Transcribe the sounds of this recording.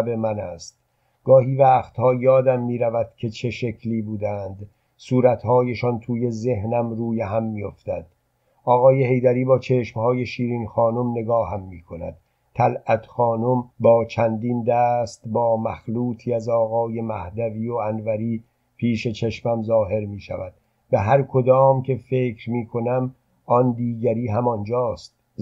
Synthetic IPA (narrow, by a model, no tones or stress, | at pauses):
bemænæst̪̚ | ɡ̥ɒːɦiːvæːxt̪hɒːjɒːd̪æmːiːɾævæd̪̥cʰe̞t͡ʃʰe̞ʃe̞kʰliːbuːd̪ænd̪ | suːɾæt̪hɒːjeʃɒnt̪ʰuːje̞ze̞hnæmɾuːjeɦæmːijo̞ft̪æd̪̥̚ | ɒːɣɒːje̞he̞jd̪æɾiːbɒːt͡ʃʰe̞ʃmhɒːje̞ʃiːɾiːnxɒːnomne̞ɡɒːhæmːiːkʰo̞næ̰d̪̥̚ | t̪ʰælʔæt̪ʰxɒːnombɒːt͡ʃʰænd̪iːnd̪æːst̪bɒːmæxluːt̪ʰiːæzɒːɣɒːje̞mæhd̪æviːoænvæɾiː | pʰiːʃet͡ʃʰeʃmæmzɒːɦe̞ɾmiːʃæ̰væd̪̥̚ | væɦæɾkʰo̞d̪ɒːmcʰe̞fe̞ːkʰɾmiːkʰo̞næm | ɒnd̪iːɡæɾiːɦæmɒnd͡ʒɒːst̪̚